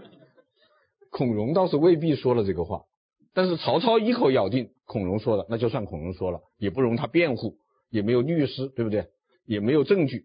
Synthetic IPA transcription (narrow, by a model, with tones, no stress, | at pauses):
kʰʊ˨˩ŋɻʊ˧˥ŋt̪ɑ˥˧ʊʂɻ̩˥˧we˥˧ɪp̬i˥˩ʂwɔ˥lə˨ʈ͡ʂɤ˥˩ɡə˩xwa̰˥˩ | t̪a˥˧nʂɻ̩˥˩t͡sʰɑ˧˥ʊt͡sʰɑ˥ʊi˥kʰo˧˩ʊjɑ˨˩ʊt̪i˥˩ŋkʰʊ˨˩ŋɻʊ˧˥ŋʂwɔ˥d̪ə˨na˥˧t͡ɕjo˥˧ʊswa˥˩nkʰʊ˨˩ŋɻʊ˧˥ŋʂwɔ˥lə˨jɛ˨˩pu˥˩ɻʊ˧˥ŋt̪ʰa˥pjɛ˥˧nxu˥˩ | jɛ˨˩me˧˥ɪjo˨˩ʊly˥˩˧ʂɻ̩˥t̪we˥˧ɪbu˩t̪we˥˩ɪ | jɛ˨˩me˧˥ɪjo˨˩ʊʈ͡ʂɤ˥˧ŋt͡ɕy˥˩